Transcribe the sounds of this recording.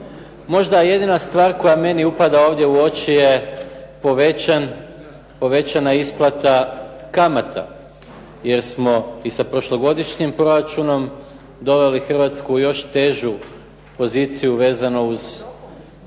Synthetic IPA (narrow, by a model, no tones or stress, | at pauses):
mo̞ʒd̪aje̞d̪inast̪ʋaːɾko̞jame̞niupad̪aoːʋd̪je̞uo̞t͡ʃije̞po̞ʋean | po̞ʋe̞t͡ɕanaisplˠat̪akamat̪ʰa̰ | je̞ɾsmo̞isapɾo̞ʃlo̞ɡo̞d̪iʃɲimpɾo̞ɾat͡ʃuno̞m | d̪o̞ʋe̞lixrʋat̪skujo̞ʃt̪e̞ːʒu | po̞ziːt̪sijuʋe̞ːzanouz